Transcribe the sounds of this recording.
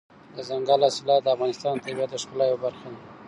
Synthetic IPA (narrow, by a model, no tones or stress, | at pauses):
d̪əzaŋɡalɑsɪlɑd̪əafɣɑnɪst̪ɑnt̪abjat̪əʂkalajobaɾxan